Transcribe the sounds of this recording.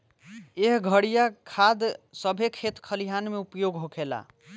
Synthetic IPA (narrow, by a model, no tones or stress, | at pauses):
eɦɡʱəɽijakʰad̪səbʱekʰet̪kʰəliɦanmeupjoɡɦokʰela̰